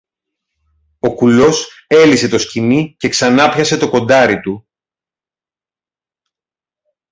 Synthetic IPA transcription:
o̞kulo̞s | e̞lise̞t̪o̞scinice̞ksɐnɐpçɐse̞t̪o̞ko̞nd̪ɐɾit̪u

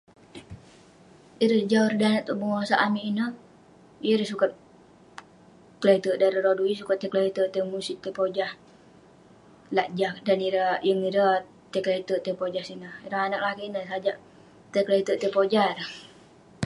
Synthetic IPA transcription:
iɾəsd͡ʒaurdaanaʔt̪oʔbəŋasaʔamiʔinəh | jəɾəsukat̪̚ | klat̪əʔdaɾəɾodujəsukat̪ːəklait̪əʔt̪əmusit̪ːəpod͡ʒah | laʔd͡ʒak̚daniɾəjəŋiɾə | t̪əklat̪əʔt̪əpod͡ʒahsinəhiɾəɦanaʔ̚lakiinəsad͡ʒaʔ | t̪əklait̪əʔt̪əpod͡ʒahɾəh

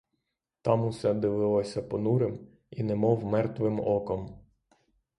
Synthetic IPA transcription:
t̪ɑmʊsɛd̪ɪʋɪlˠɔsʲɐpɔnuɾɪm | inɛmɔwmɛrt̪ʋɪmɔkɔm

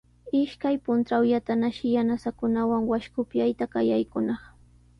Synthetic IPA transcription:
ɪʃkajpʊnt̪ɾawjat̪anaʃɪjanasakʊnawaŋwaʃkʊpjajt̪akajajkʊnɑχ

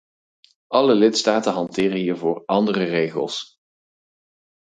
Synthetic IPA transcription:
ʔɑləlɪtstaːtənɦɑntɪːrənɦiːɹvʊːɹɑndərərejχə̰lˠs

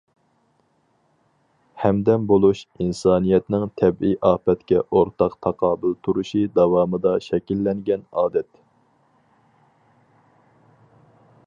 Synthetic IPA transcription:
hɛmd̪ɛmbolˠuʃinsɑːnijɛt̪nɪŋt̪ʰɛbijʔɑːpɛt̪kʲɛʔoɾt̪ʰɑqt̪ʰɑqʰɑːbɨlˠt̪ʰuɾuʃid̪ɑwɑːmɨd̪ɑʃɛkʲilːɛŋɡʲɛnɑːd̪ɛt̪

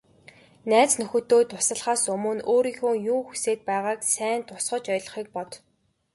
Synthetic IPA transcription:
næːt͡snɵxɵ̆t̪ːoːt̪ʰʊsə̆ɮχaːsɵmɵ̆noːɾiːxoːjuːxuseːt̪̚pæːʁaːksæːnt̪ʰʊ̥sχɞ̆t͡ɕɔjɮɞ̆χiːk̚pɔt̪

